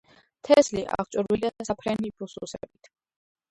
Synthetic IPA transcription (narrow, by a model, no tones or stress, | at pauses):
t̪ʰɛsliʔa̰χt͡ʃʼuɾwiliad̪asapʰɾɛnibususɛ̰bit̪ʰ